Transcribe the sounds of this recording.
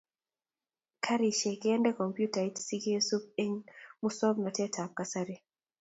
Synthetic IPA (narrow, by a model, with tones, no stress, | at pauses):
kʰa˦ɾi˨ʃe˨kɪɛ˦ndɛ˦kɔ˨mpju˦ta˨i˦tsi˦ɡe˦su˦p̚e˦ŋmu˦sɔ˦bnɔ˨tɛ˦tʰa˨p̚ka˨sa˦ɾi˦